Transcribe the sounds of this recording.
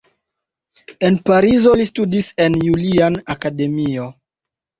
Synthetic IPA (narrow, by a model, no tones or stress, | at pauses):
e̞npaɾizo̞listudise̞njulianakade̞mio̞